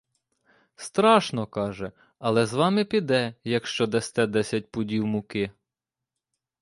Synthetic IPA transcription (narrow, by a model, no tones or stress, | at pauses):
st̪ɾɑʃnɔkɑʒɛ | ɐlˠɛzʋɑmɪpʲid̪ɛjɐkʃt͡ʃɔd̪ɛst̪ɛd̪ɛsʲɐt̚ʲpʊdʲiwmʊkɪ